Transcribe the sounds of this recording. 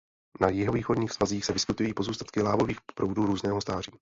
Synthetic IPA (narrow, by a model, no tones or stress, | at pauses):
najɪɦoviːxo̞dɲiːxsvaziːxsɛvɪskɪt̪ujiːpo̞zuːst̪ḁt̪̚kɪlaːvo̞viːxpɾʔowduːɾuːznɛːɦost̪aːr̝iː